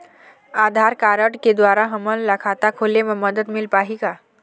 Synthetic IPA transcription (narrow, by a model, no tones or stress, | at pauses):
ad̪ʱaɾkaɾəʈked̪ʋaɾaɦəməllakʰat̪akʰoleməməd̪ət̪milpaɦika